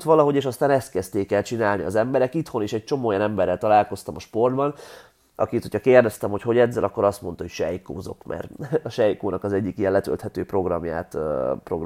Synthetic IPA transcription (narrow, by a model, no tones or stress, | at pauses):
t̪ʋɒlɒɦo̞ɟeːʃɒst̪aːnɛst̪kɛst̪eːkɛlt͡ʃinaːlniɒ̰zɛmbɛɾɛkit̪ho̞niʃɛc̚t͡ʃo̞moːjɒnɛmbɛrːɛlt̪ɒlaːlko̞st̪ɒmɒʃpo̞rd̪bɒn | ɒ̰kit̪hocʰɒkeːrd̪ɛst̪ɛmho̞cho̞ɟɛd̪zːɛlɒkːo̞ɾɒst̪mo̞nt̪ɒhocʃɛjko̰ːzo̞̰kmʔɛ̰rɒʃɛjkoːnɒkɒzɛɟːikijɛlɛt̪ø̰lt̪hɛt̪øːpro̞ɡrɒmja̰ːt̪pro̞̰ɡr